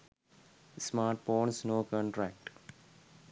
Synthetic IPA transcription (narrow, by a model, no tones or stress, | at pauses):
smaːɾʈ̚foːnsnoːkɔ̃ɳʈɾæk̚ʈ